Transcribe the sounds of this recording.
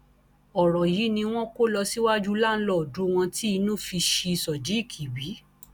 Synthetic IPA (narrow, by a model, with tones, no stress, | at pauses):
ɔ˨ɾɔ˨ji˨˦nĩ˧w̃ɔ̃˦ko˦lɔ˧si˦wa˦d͡ʒu˦la˦˨n̩˦lɔ˦˨du˨˦w̃ɔ̃˧ti˦i˧nũ˦˨fi˧ʃi˧sɔ˨d͡ʒi˨˦i˦˨kʰi˨wi˨˦